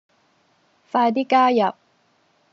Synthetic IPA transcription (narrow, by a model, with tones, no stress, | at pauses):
faː˧d̪i˥kaː˥jɐ˨p̚